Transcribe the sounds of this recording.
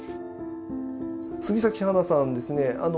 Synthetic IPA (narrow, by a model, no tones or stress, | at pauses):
sɨɡʲisakʲihanasãnd̪e̞sɨne̞ʔa̰no